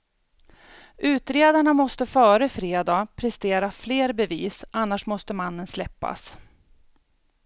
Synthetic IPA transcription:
ʔʉ̟ːt̪ɾeːd̪aɳamɔst̪əfœːɾəfɾeːd̪apʰɾɛst̪eːɾafleːɾbɛviːsʔanːaʂmɔst̪əmanːənslɛpːa̰s

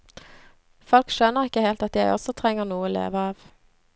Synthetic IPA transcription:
fɔlkʃøːnəʁɪkːəheɪlt̪ɑt̪jæɪɔ̰sɔt̪ʰʁɛŋːəʁnuːəoːlḛːʋəɑːʋ

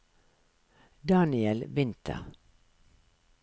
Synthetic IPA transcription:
d̪ɑːnɪɛlʋɪnt̪ʰə̰

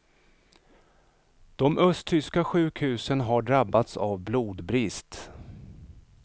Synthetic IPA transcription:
d̪̥ɔmʔœst̪ʰʏskaɧʉ̟ːkhʉ̟ːsənɦaɖɾabːat̪sa̰vbluːd̪bɾɪst̪

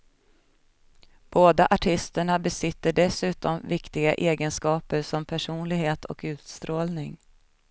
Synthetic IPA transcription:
b̥oːd̪aʔaʈʰɪst̪əɳabɛsɪt̪ːəɖɛsʉ̟ːt̪ɔmvɪkt̪ɪɡa̰ʔeːɡənskɑːpəɾʂɔmpʰæʂuːnlɪɡheːt̪ʰɔ̰kʉ̟ːt̪st̪ɾoːlnɪŋ

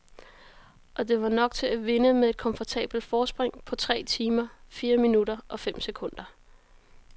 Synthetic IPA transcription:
ʔɒ̽d̥e̝ʋɑ̈nɒ̽ɡ̥̚t͡sʰe̝æʋe̝nəmeðˠe̝d̥̚kʰɒ̽mfɒt͡sʰɛ̰ːb̥l̩d̥fɒːsb̥ʁeŋ̰pʰɒ̽t͡sʰʁɛ̰ːt͡sʰiːmɐfiːɐminuɾ̥ɐʔɒ̽fem̰sekʰɔ̽n̰d̥ɐ

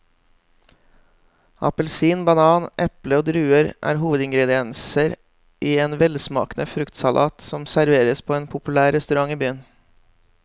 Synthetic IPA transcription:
ɑ̰pəlsiːnbɑnɑːnʔɛpləoːd̪ɾʉːəɾʔæ̰ːɾɦuːʋəd̪ɪŋɡɾɛd̪ɪɛnsəɾ | ʔiːeːnʋɛlsmɑ̰ːknəfɾʉkt̪sɑlʔɑ̰ːt̪sɔmsæɾʋeːɾəspʰoːeːnpʰʊpʉlæːɾɾɛst̪ʉɾɑŋiːbyːən

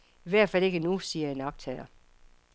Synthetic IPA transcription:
iʋæɐ̰d̥fæle̝ɡ̥ənusiːɐenɑb̥̚t͡sʰɛɪɐ

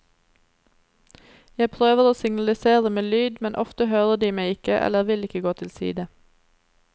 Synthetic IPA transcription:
jæɪpʰʁøːʋəʁoːsɪŋnɑlɪseːʁəmeːlyːd̪mɛnʔɔft̪əhøːʁəd̪iːmeɪɪkəʔɛ̰ləʋɪlɪkəɡoːt̪ʰɪlsḭːd̪ə

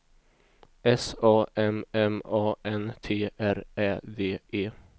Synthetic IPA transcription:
ʔɛsɑːʔɛmɛmɑːʔɛnt̪ʰeːʔæɾæːd̪eːʔeː

